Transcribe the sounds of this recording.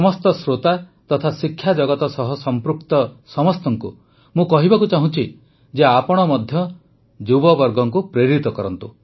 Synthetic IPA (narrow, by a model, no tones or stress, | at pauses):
ɔmɔst̪ɔsɾot̪at̪ɔt̪ʰasikʰːjad͡ʒɔɡɔt̪ɔsɔɦɔsɔmpɾukt̪ɔsɔmɔst̪ɔŋku | mũkɔɦibakut͡ʃaɦũt͡ʃʰi | d͡ʒeapɔɽ̃ɔmɔd̪ʱjɔ | d͡ʒubɔbɔɾɡɔŋkupɾeɾit̪ɔkɔɾɔnt̪u